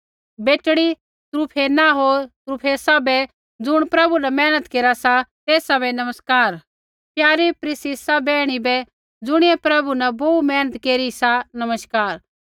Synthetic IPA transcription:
beːʈɽ̃i | t̪ɾupʰeːnaɦoːɾt̪ɾupʰeːsabɛ | d͡zʊɽ̃pɾɐbunɛmɛːnət̪keːɾasat̪eːsabɛnɐməskaːɾ | pjaːɾipɾɪsisabɛːɽ̃ibɛ | d͡zʊɽ̃iɛpɾɐbunɛboːumɛːnət̪keːɾisanɐməskaːɾ

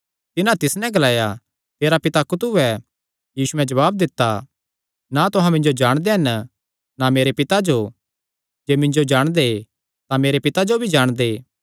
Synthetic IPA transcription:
t̪ɪnãt̪ɪsnɛ̃ɡɐlaːja | t̪eːɾapɪt̪akʊt̪uɛ | jiːsuɛ̃d͡ʒɐʋaːb̚d̪ɪt̪ːa | nat̪ʊɦãmɪ̃ɲd͡ʒod͡ʒaːɽ̃d̪eɦɐn | nameːɾepɪt̪ad͡ʒo | d͡ʒeːmɪ̃ɲd͡ʒod͡ʒaːɽ̃d̪e | t̪ãmeːɾepɪt̪ad͡ʒobʱid͡ʒaːɽ̃d̪eː

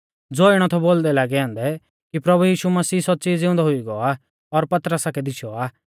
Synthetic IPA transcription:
d͡zoːɪɽ̃ɔt̪ʰɔboːld̪ɛlaːɡɛãːnd̪ɛ | kipɾɐbujiːʃumɐsiːsɔt͡siːd͡zɪʊ̃nd̪ɔɦʊiɡɔa | ɔɾpɐt̪ɾəsakɛd̪ɪʃʰɔaː

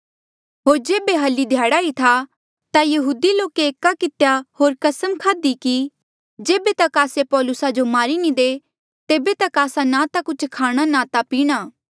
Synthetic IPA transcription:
ɦoːɾd͡ʒeːbeɦɐlːid̪ʱjaːɽait̪ʰa | t̪ajɐɦuːd̪iloːkeeːkːakɪt̪ejaɦoːɾkɐsəmkʰaːd̪iki | d͡ʒeːbet̪ɐkaːsepɔːlʊsad͡ʒomaːɾinĩd̪eː | t̪eːbet̪ɐkaːsanãt̪akʊt͡ʃʰkʰaːɽ̃anãt̪apiːɽ̃aː

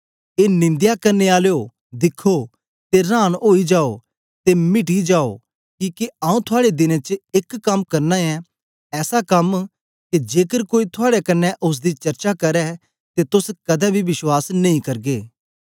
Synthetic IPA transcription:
eːnɪ̃nd̪jakɐɾneaːljo | d̪ɪkʰːo | t̪eɾãːñɦoːid͡ʒaːo | t̪emɪʈid͡ʒaːo̰ | kiːkeaːũt̪ʰʊaːɽed̪ɪnẽt͡ʃekːɐmkɐɾnaɛ | ɛːsakɐm | ked͡ʒeːkəɾkoːit̪ʰʊaːɽɛkɐnːɛʔʊs̬d̪it͡ʃɐɾt͡ʃakɐɾɛ | t̪et̪ʊskɐd̪ɛbʱiʋɪʃwaːsnɐ̃ĩkɐɾɡeː

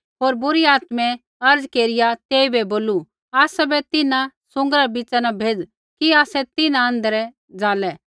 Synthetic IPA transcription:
ɦoːɾbʊɾiaːt̪mɛ̃ | ɐɾd͡zkeːɾɪjat̪eːibɛboːlu | aːsɛbɛt̪ɪnasʊ̃ŋɡɾabɪt͡ʃanabʱeːd͡z | kiaːsɛt̪ɪnãɐ̃nd̪əɾɛ | d͡zaːlɛ

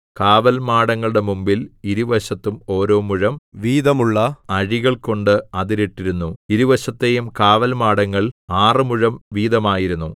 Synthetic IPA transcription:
kaːʋɐlmaːɽɐŋːɐɭɨɽe̞mumbiliɾuʋɐɕɐt̪ːumo̞ːɾo̞ːmuɻɐmʋiːd̪ɐmuɭːɐɐɻiɣɐɭko̞ɳɖɨɐðiɾiʈːiɾunːuiɾuʋɐɕɐt̪ːe̞jumkaːʋɐlmaːɽɐŋːɐɭaːrɨmuɻɐmʋiːd̪ɐmaːjiɾunːu

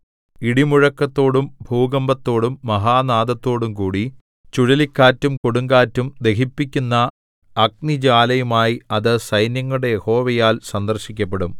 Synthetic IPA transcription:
iɽimuɻɐkːɐt̪ːo̞ːɽumbʱuːɡɐmbɐt̪ːo̞ːɽumːɐɦaːnaːd̪ɐt̪ːo̞ːɽumkuːɽi | t͡ɕuɻɐlikʲːaːtːumkoɽuŋɡaːtːumd̪e̞kipːikʲːunːɐː | k̚nid͡ʑaːlɐjumaːjiɐðɨsɐjnjɐŋːuɽejeho̞ːʋɐjaːlsɐnd̪ɐrɕikʲːɐpːe̞ɽum

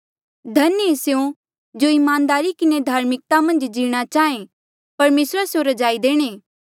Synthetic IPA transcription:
d̪ʱɐneseõ | d͡ʒoːɪmãːnd̪aːɾikɪned̪ʱaːɾmɪk̚t̪amɐ̃nd͡ʒd͡ʒiːɽ̃at͡ʃaːẽ | pɐɾmeːsɾasjoɾɐd͡ʒaːid̪eːɽ̃eː

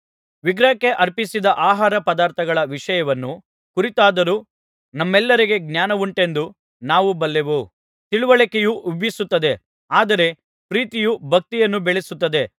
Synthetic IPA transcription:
ʋiɡɾɐɐkːe̞ʔɐɾpisid̪ɐʔaːɦaːɾɐpɐd̪aːɾt̪ʰɐɡɐɭɐʋiʂɐjɐʋɐnːu | kuɾit̪aːd̪ɐɾuː | nɐmːɛlːɐɾiɡe̞ɡnjaːnɐʋuɳʈe̞nd̪u | naːʋubɐlːeʋu | t̪iɭuʋɐɭikejuʔubʱjisut̪ːɐd̪e̞ | aːd̪ɐɾe̞ | pɾiːt̪ijubʱɐk̚t̪ijɐnːubeɭesut̪ːɐd̪e̞

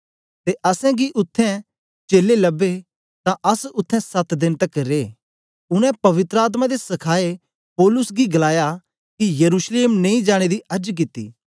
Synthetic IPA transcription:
t̪eʔɐsɛ̃ɡiʔʊt̪ʰːɛ̃ | t͡ʃeːlelɐbːe | t̪ãʔɐsʊt̪ʰːɛ̃sɐt̪d̪ɪnt̪ɐkɾeː | ʊɽ̃ɛ̃pɐʋɪt̪ɾəaːt̪̬mãd̪esɐkʰaːe | poːlʊsɡiɡɐlaːja | kijɐɾuːsleːmnẽĩd͡ʒaːɽ̃ed̪iɐɾd͡ʒk̬ɪt̪ːḭː

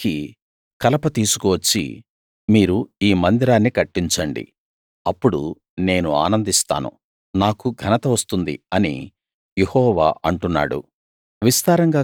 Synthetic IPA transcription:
ki | kɐlɐpɐt̪iːsukuʋɐt͡ʃːḭ | miːɾuiːmɐnd̪iɾaːnːikɐʈːiɲt͡ʃɐɳɖḭ | ɐpːuɽṵ | ne̞ːnua̰ːnɐnd̪ist̪a̰ːnṵ | naːkuɡʱɐnɐt̪ɐʋɐst̪und̪ḭɐnḭ | jehɔːʋa̰ːʔɐɳʈunːa̰ːɽṵ | ʋist̪aːɾɐŋɡaː

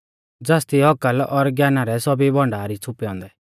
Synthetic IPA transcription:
d͡zast̪iɦɔkəlɔɾɡjaːnaɾɛsɔbibʱɔ̃ɳɖaːɾit͡sʰʊpɛɔ̃ːnd̪ɛ

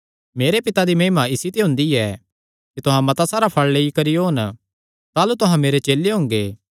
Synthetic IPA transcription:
meːɾepɪt̪ad̪imɐ̃ːmaɪsit̪eɦʊ̃nd̪iɛ | kit̪ʊɦãmɐt̪asaːɾapʰɐɭleːikɐɾijoɦɐn | t̪aːlut̪ʊɦãmeːɾet͡ʃeːlːeɦʊ̃ːŋɡeː

